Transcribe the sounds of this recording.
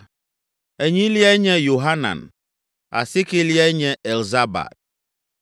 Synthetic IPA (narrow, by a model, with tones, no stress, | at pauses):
ɛ˨ɲĩ˦li˦ɛ˦ɲɛ̃˦jo˨ɦa˦nã̰˨n | a̰˨sɪ˦kɪ˦li˦a˦ɲɛ̃˨ɛ˨lza˦ba̰˨d̥̚